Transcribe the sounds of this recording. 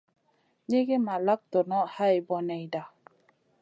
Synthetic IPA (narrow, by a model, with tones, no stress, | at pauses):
ɲe˦ɡe˦ma˨la˦k̚t̪ɔ˨nɔ˦ha˦jbɔ˨nɛ˨jda˨